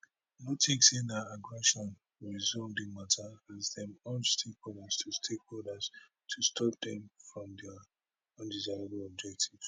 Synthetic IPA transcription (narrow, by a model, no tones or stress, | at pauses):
notʰeksĩnaaɡɹɛʃɔ̃n | ɹizɔdĩŋmatʰaãzdɛ̃mɔnstʰekhɔlstʰustʰekoldas | tʰustʰɔp̚d̪ɛ̃mfɹɔ̃mdɛ | ɔ̃ndizaɪɹəbl̩ɔb̚d͡ʒɛk̚tʰiv̥